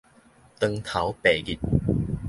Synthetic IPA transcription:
t̪ə˧ŋt̪ʰɐ˨˥wpeː˨˩jkiː˨˥t̚

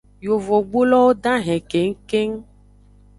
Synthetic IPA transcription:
jo˨vo˨ɡ͡bo˦lɔ˦wo˦ɖ̪ã˦ɦɛ̃˨ke˨ŋ̩˦ke˦ŋ˦

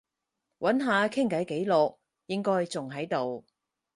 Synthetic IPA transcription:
wʔɐ˨˥nɦaː˨˧kʰɪ˥ŋkɐ˨˥jke˨˥jlʊ˨k̚ | jɪ˥ŋkɔː˥jt͡sʊ˨ŋɦɐ˨˥jt̪o˨w

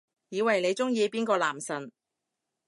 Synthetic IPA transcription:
jiː˨˧wɐ˨˩jne˨˧jt͡sʊ˥ŋjiː˧piː˥nkɔː˧laː˨˩msɐ˨˩n

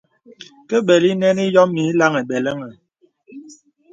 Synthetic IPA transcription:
kɛ˦ɓɛ˨li˦nɛ˦ni˦jɔ˦mːi˨˦la˦ŋɛ˨ɓɛ˨lɛ˦ŋɛ˨

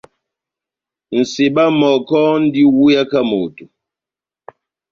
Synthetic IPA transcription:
n̩˨se˨ɓa˦mɔ˨kɔ˦n̩˦di˦wu˦ja˦ka˦mo̰˨tu˨

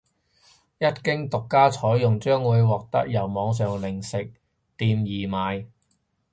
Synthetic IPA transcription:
jɐ˥t̚kɪ˥ŋt̪ʊ˨kːaː˥t͡sʰɔː˨˥jjʊ˨ŋt͡ʃœː˥ŋwuː˨˧jwɔː˨k̚t̪ɐ̰˥k̚jɐ˨˩wmɔː˨˧ŋs̬œː˨˩ŋlɪ˨˩ŋsɪ˨k̚ | t̪iː˨˧mjiː˨˩maː˨˧j

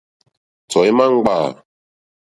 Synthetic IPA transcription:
t͡sɔ˨i˦ma˦ŋ̩˦ɡ͡baː˦˨

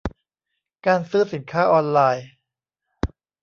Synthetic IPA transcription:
kaː˧nsɯː˥˩si˨˩˦nkʰaː˥˩ʔɔː˧nlaː˧j

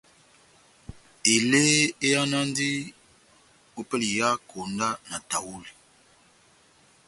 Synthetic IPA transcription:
e˨le˦e˦ja˦na˦ndi˦ | o˨pɛ˦li˨ja˦kʰo˨nda˦na˨ta˨wu˦li˨

